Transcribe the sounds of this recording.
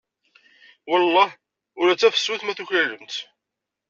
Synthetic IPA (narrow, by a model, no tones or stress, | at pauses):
wəlˤːɑh | ʊɾæt͡sːæfə̥sːuθmæθuçælːəmt̪